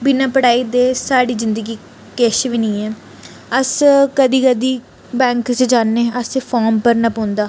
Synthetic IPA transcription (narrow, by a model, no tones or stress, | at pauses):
bɪnãːpəɽaːiːd̪eːsaːɽiːzɪnd̪əɡiː | keːʃʋiːnĩːɛː | əskəd̪iːkəd̪iː | bɛ̃ːŋksed͡ʒaːnːeːəseːfʰaːmpəɾnapõːnd̪aː